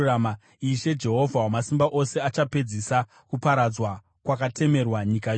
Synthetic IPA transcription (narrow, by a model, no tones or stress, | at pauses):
ma | iʃe̞d͡ʒe̞ɦo̞vʱawamasimbaʔose̞at͡ʃape̞d͡zisa | kupaɾad͡zwa | kwakatʰe̞me̞rwaɲikaj